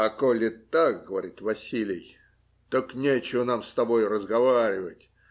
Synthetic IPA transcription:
ɐkolʲɪt̪ak̚ɡəvɐɾʲit̪vɐsʲilʲɪj | t̪oknʲet͡ɕɪvənamst̪ɐbojʊrəzɡɐvaɾʲɪvətʲ

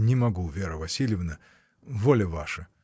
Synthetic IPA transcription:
nʲɪmɐɡuvʲeɾəvɐsʲilʲjɪvnə | volʲəvaʂə

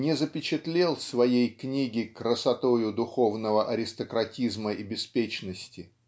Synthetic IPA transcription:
nʲɪzəpʲɪt͡ɕɪt̪lʲelˠsvɐjejknʲiɡʲɪkɾəsɐt̪ojʊd̪ʊxo̞vnəvəʔɐɾʲɪst̪əkɾɐtʲizməɪbʲɪspʲet͡ɕnəsʲtʲɪ

